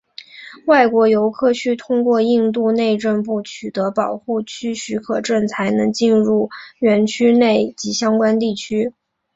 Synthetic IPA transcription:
wa˥˩ɪkwɔ˧˥jo˧˥ʊkʰɤ˥˧t͡ɕʰy˥t̪ʰʊ˥ŋkwɔ˥˧i˥˧nt̪u˥˧ne˥˧ɪʈ͡ʂə˥˧np̬u˥˩t͡ɕʰy˨˩t̪ɤ˧˥pɑ˨˩ʊxu˥˩t͡ɕʰy˥ɕy˧˥kʰɤ˨˩ʈ͡ʂə˥˩nt͡sʰa˧˥ɪnɤ˧˥ŋt͡ɕi˥˧nɻu˥˩ɥɛ˧˥nt͡ɕʰy˥ne˥˩ɪt͡ɕi˧˥ɕjɑ˥ŋkwa˥nt̪i˥˩t͡ɕʰy˥

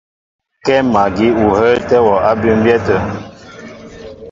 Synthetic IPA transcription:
kɛ˦ma˨ɡi˨˦u˨hə˦ltɛ˦wɔ˨ʔa˦bi˦m̩˦bjɛ˦tə˨

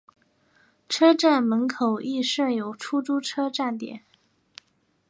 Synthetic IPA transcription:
ʈ͡ʂʰɤ˥ʈ͡ʂa˥˩nmə˧˥nkʰo˨˩ʊʔi˥˧ʂə˥˩jo˨˩ʊʈ͡ʂʰu˥ʈ͡ʂu˥ʈ͡ʂʰɤ˥ʈ͡ʂa˥˩nt̪jɛ̰˨˩˦n

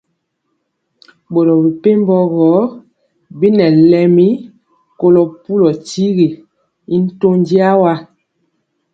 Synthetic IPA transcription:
bo˨ɾɔ˨bi˨pe˦m˦bɔ˦ɣɔ˨˦ | bi˦nɛ˨lɛ˨mi˦ | ko˦lɔ˨pu˦lɔ˨ti˦ɣi˨ | i˦n̩˦to˦n˦di˦a˦wa˦

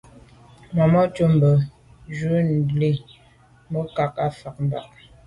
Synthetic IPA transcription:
ma˨mɔ˦t͡ʃə˦m̩˨bə˨ | d͡ʒʉ˦n̩˨li˦ | mə˦ka˨ka˦fa˨k̚m̩˦ba̰˨k̚

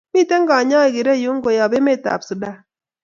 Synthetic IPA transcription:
mi˦˨te˦ŋ˦ɡa˨ɲɔ˦e˨ɡi˨ɾe˦˨jo˦ŋ˦ɡo˨ja˨be˦me˦˨ta̰˨psu˨da˦˨

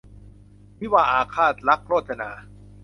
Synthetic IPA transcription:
mi˦˥waː˧ʔaː˨˧kʰaː˥˩t̪̚ɾa˦˥k̚ɾoː˥˩t̪̚sʰa˧naː˨˧˦

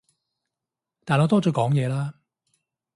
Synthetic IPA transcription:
t̪aː˨nɔ˨˧t̪ɔː˥t͡sɔː˨˧˥kɔː˨˥ŋjɛː˨˧laː˦˥

